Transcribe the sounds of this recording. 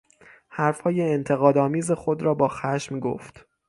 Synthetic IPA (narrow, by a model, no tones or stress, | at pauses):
hæɾfhɒːje̞ːnt̪ʰe̞ɣɒːd̪ɒːmiːze̞xod̪ɾɒːbɒːxæʃmɡo̰ft̪